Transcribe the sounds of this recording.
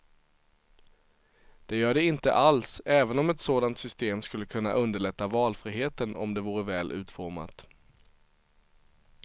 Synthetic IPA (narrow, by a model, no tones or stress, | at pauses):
d̪̥ɛjœːɖɛɪnt̪ə̰ʔalsɛːvənɔmɛt̪soːd̪ant̪sʏst̪eːmskɵlːəkʰɵnːa̰ʔɵnd̪əɭɛt̪ːavɑːlfɾiːɦeːt̪ənɔ̰md̪ɛvuːɾəvɛːlʔʉ̟ːt̪fɔɾma̰t̪